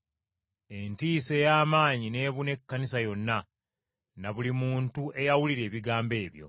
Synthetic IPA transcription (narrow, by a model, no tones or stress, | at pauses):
e̞ntiːse̞jaːmaːɲine̞ːβune̞kːanisajo̞nːa | naβulimuːntuʔe̞jawuliɾe̞ːβiɡaːmbe̞ːβjo̞̰